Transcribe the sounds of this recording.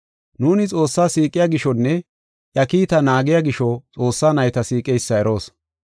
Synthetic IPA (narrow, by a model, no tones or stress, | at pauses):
nuːnɪt͡sʼo̞ːsːaːsiːkʼːɪjaːɡɪʃɔnːɛ | ʔjɐkiːt̪ɐnaːɡɪjaɡɪʃɔt͡sʼo̞ːsːaːnɐjt̪ɐsiːkʼɛjsːɐɛɾo̞ːs